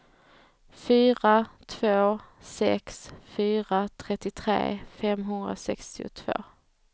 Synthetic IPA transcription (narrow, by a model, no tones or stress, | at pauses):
fyːɾat̪ʰv̥oː | sɛ̰ksfyːɾat̪ʰɾɛt̪ːɪt̪ʰɾḛːfɛmɦɵnd̪ɾa̰sɛkst̪ɪʊ̰t̪ʰv̥o̰ː